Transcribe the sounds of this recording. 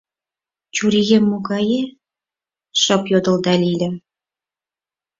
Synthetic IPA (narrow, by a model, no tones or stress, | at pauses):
t͡ɕuɾijemːoɡɑje | ʃɤ̆pjod̪ə̆ld̪ɑlʲilʲɘ̆